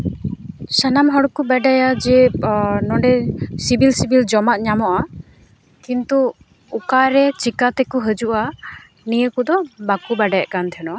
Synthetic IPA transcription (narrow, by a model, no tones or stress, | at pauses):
sanamɦɔɽɔkubɛɖajad͡ʒɛnɔɳɖɛsibilsibild͡ʒɔmaʔ̪̚ɲamɔʔa | kint̪uː | kaɾɛt͡ʃikat̪ɛkuɦəd͡ʒuʔa | nijəkud̪ɔbakubaɖajaʔkant̪ʰɛnɔa